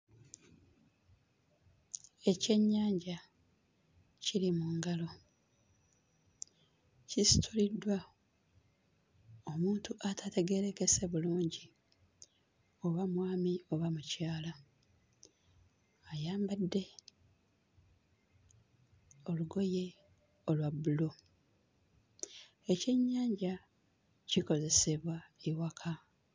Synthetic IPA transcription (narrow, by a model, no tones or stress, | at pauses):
ece̞ɲːaːɲɟa | cilimuːŋɡalo̞ | cisi̥tʰulidwa | o̞muːntuʔatʰate̞ɡe̞ɾe̞ke̞se̞βuluːɲɟi | o̞βamwaːmio̞βamucaːla | ajaːmbadːe̞ | o̞luɡo̞je̞ | o̞lwabːulo | e̞ce̞ɲːaːɲɟa | ciko̞ze̞se̞βwaiwakʰa